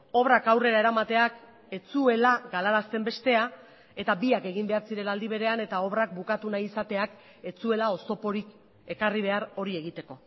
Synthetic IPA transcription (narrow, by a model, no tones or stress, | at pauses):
o̞βrakawre̞ɾaeɾamat̪e̞ak | e̞t͡sue̞laɡalaɾast̪e̞mbe̞st̪e̞a | e̞t̪abiake̞ɣ̞imbe̞aɾsiɾe̞nald̪iβ̞e̞ɾe̞ane̞t̪ao̞β̞rak̚bukat̪unajisat̪e̞ak | e̞t͡sue̞lao̞so̞po̞ɾik | e̞kariβ̞e̞aɾo̞ɾie̞ɣ̞it̪e̞ko̞